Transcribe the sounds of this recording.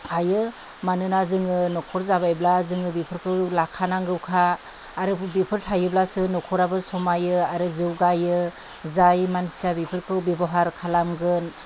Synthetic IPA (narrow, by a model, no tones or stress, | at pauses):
hajɯ | manɯnazɯŋɯnɔkʰɔɾzabajblazɯŋɯbipʰɯɾkʰɯwlakʰanaŋɡɯwkʰaː | ɾɯbipʰɯɾtʰajɯblasɯnɔkʰɔɾabɯsɔmajɯaɾɯzɯwɡajɯ | zajmansijabipʰɯɾkʰɯwbibɔɦaɾkʰalamɡɯn